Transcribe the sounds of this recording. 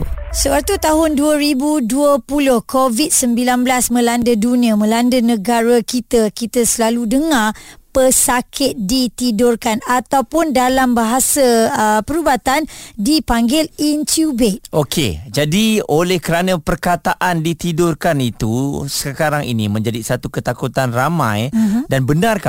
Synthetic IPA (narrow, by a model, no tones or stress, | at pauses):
səwat̪ut̪aɦʊnduəɾibuduəpulʊhkovit̪̚səmbilanblasmə̃landədunĩəmə̃landənə̃ɡaɾəkit̪əkit̪əsəlaludəŋapəsakʰɪt̪̚dit̪idʊrkanat̪awpʊndalambaɦasəəpəɾubat̪andipaŋɡɪlint̪ubɛt̪̚okʰḛd͡ʒadiolɛhkəɾanə̃pərkat̪aʔandit̪idʊrkanit̪usəkaɾaŋḭnĩmə̃ɲd͡ʒadisat̪ukət̪akut̪anramã̰jdanbənarka